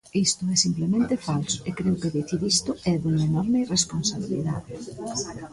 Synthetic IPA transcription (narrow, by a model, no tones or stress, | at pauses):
ist̪ʊɛsimplemẽnt̪efalsʊ̥ekɾewkeðeθiɾist̪ʊɛðeŋaenɔɾmeiresponsaβilḭða̰ðɪ